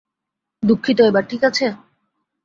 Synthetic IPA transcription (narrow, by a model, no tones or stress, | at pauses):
d̪ukʰːit̪oebaɾʈʰikat͡ɕʰe